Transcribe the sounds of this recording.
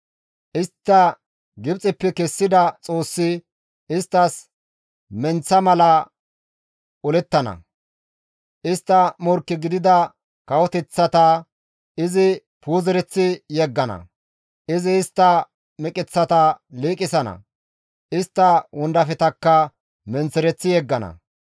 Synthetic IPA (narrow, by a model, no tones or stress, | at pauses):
ʔɪst̪ːɐ | ɡɪbt͡sʼɪpːɛkɛsːɪd̪ɐt͡sʼo̞ːsːɪ | ɪst̪ːɐs | mɛnt͡sːɐmɐlɐ | ʔɔlɛt̪ːɐnɐ̰ | ʔɪst̪ːɐmɔɾkːɪɡɪd̪ɪd̪ɐ | kɐwɔt̪ɛt͡sːɐt̪ɐ | ɪzɪ | puːzɛɾɛt͡sːɪjɛɡːɐnɐ̰ | ʔɪzɪːst̪ːɐ | mɛkʼɪt͡sːɐt̪ɐliːkʼɪsɐnɐ̰ | ʔɪst̪ːɐwʊnd̪ɐfɛt̪ɐkːɐ | mɛnt͡sːɛɾɛt͡sːɪjɛɡːɐnɐ̰